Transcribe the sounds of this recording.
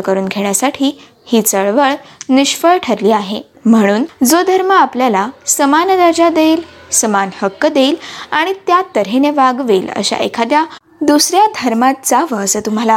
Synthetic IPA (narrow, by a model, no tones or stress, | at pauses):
kəɾuːnɡʱeɳjasaʈʰiː | hiːt͡səɭʋəɭniɕfəɭʈʰəɾliːaɦḛ | m̤əɽ̃uːnd͡zod̪ʱəɾməapljalasəmanɾad͡ʑad̪eilsəmanhəkːd̪eːlaɽ̃it̪jat̪əɾɦeneʋaɡʋeːlə̰ɕa̰ʔḛkʰad̪ja | d̪usɾjad̪ʱəɾmat̪t͡saʋəsət̪um̤ala